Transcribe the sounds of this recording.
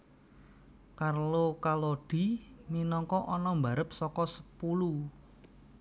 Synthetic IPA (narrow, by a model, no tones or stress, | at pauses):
karlokaloɖ̥i̤minɔŋkɔʔɔnɔmbaɾəp̚sɔkɔsə̥pulu